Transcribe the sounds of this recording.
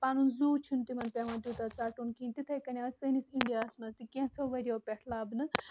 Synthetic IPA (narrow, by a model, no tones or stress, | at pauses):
paːnunzuːt͡ʃʰunt̪imɐnpʲjaːʋɐ̃nd̪uːt̪at͡saːʈunkiːnt̪it̪ʰɐjkɐnʲaːsənisĩndijaːsmɐst̪ikʲẽt͡s̪ʰoːʋɐɾʲioːpʲɛʈʰlaːbnɨ